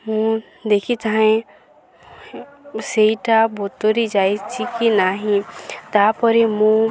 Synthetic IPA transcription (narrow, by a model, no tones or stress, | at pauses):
mũ | d̪ekʰit̪aɦẽ | seiʈabʱot̪oɾid͡ʒajt͡ʃʰikinaɦĩt̪apɔɾimũ